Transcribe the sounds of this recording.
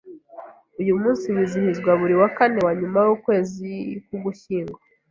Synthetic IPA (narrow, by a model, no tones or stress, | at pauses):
ujumuːnsiβizihizɡwaβuɾiwakane̞waɲumajukwe̞ːzikuɡuçiːŋɡwa